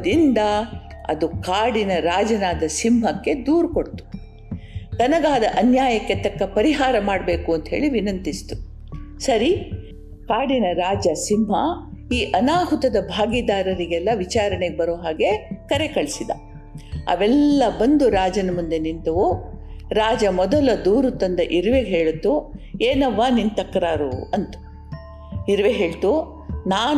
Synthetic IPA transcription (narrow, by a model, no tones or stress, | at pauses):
ɐd̪ind̪ɐ | ɐ̰d̪ukaːɽinɐɾaːd͡ʒɐnaːd̪ɐsimɦɐkːe̞d̪uːɾuko̞ɽt̪u̥ | t̪ɐnɐɡaːd̪ɐʔɐnjaːjɐkːe̞t̪ɐkːɐpɐɾiɦaːɾɐmaːɖbe̞ːkuɐnt̪ɦe̞ːɭiʋinɐnt̪ist̪u | sɐɾi | kaːɽinɐɾaːd͡ʒɐsimɦɐ | iːʔɐnaːɦut̪ɐd̪ɐbʱaːɡid̪aːɾɐɾiɡɛlːɐʋit͡ʃaːɾɐɳeɡebɐɾoːɦaːɡe̞kɐɾe̞kɐɭsid̪ɐ̰ | ɐ̰ʋɛlːɐbɐnd̪uɾaːd͡ʒɐnɐmund̪enint̪ɐʋuɾaːd͡ʒɐmɔd̪ɐlɐd̪uːɾut̪ɐnd̪ɐʔiɾʋeɦeːɭut̪ːueːnɐʋːaːnint̪ɐkːɾaːɾuɐnt̪u̥ | iɾʋeɦe̞ːɭt̪u | naːn